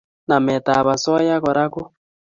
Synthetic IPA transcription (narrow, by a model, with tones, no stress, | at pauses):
na˨mɛ˨ta˨βa˨sɔ˦ja˦ɣɔ˨ɾa˦ko˦